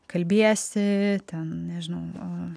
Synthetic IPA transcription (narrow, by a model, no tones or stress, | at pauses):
kɐlʲbʲiɛsʲɪt̪ʲɛnnʲɛʒʲɪnɐʊo